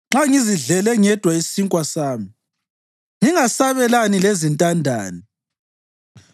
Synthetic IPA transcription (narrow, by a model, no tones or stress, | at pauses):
ŋ͡ǁaŋiziɮɛlɛŋɛd̥ʱwaisiŋkʼwasaːmi | ŋiŋasaβɛlanilezintʼandʱa̰ːni